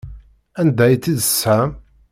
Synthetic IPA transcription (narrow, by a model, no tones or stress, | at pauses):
ænd̪æjt͡sːiðəsːæm